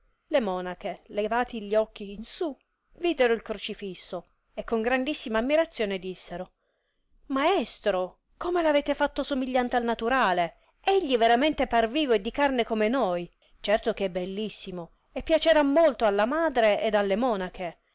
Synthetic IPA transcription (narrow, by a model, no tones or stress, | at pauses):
lemɔːnakelevaːt̪iʎːiɔk̟ːiːnsu | vid̪eɾoilkɾot͡ʃifisːo | ekːoŋɡɾand̪isːimaːmːiɾat̪sːjoːned̪isːeɾo | maɛst̪ɾo | komelaveːt̪efat̪ːosomiʎːant̪ealnat̪uɾaːle | eʎːiveɾament̪eparviːvoed̪ːikarnekomenoj | t͡ʃɛrt̪okɛbːelːisːimo | epːjat͡ʃeɾamːolt̪oalːamaːd̪ɾeed̪alːemɔːnakʰe